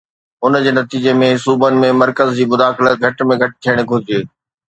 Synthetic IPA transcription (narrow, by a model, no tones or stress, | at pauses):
ʊnd͡ʑeːnɐt̪iːd͡ʑemẽsuːbənɪ̆mẽmɐɾkəzd͡ʑiːmʊd̪aːxɪlət̪̚ɡʱɐʈmẽɡʱɐʈɪ̥t̪ʰijəɽ̃ɡʱʊɾɪd͡ʑeː